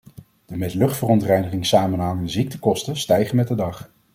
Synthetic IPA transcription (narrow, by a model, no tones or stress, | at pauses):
d̥əmɛtlɵχtfərɔntrɛjnəχɪŋsaːmənɦɑŋəndəzik̚təkɔstəstɛjχənmɛt̚dədɑχ